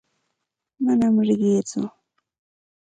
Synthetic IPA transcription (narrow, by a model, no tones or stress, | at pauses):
manamɾɪɢiːt͡sʊ̰